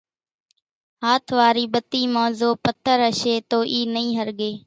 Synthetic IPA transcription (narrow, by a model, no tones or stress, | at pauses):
ɦaːt̪ʰʋaːɾiːɓət̪iːmãːzoːpət̪ʰːəɾəʃeːt̪oːʔiːnəĩːɦəɾɠeː